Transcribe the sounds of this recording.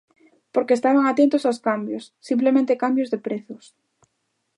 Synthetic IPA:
poɾkeːst̪aβaŋat̪ent̪ʊsawskambjosːimp̬lemẽnt̪ekambjʊzðepɾeθʊs

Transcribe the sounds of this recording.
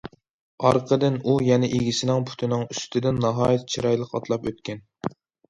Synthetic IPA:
ɑɾqʰəd̪ɪnujɛnɛʔeɡʲisɪnɪŋpʰu̥t̪ʰɪnɪŋyst̪ʰɪd̪ɪnːɑɦɑːjit̪t͡ʃʰiɾɑjlˠəqɑt̪lˠɑpøt̪̚kʲɛn

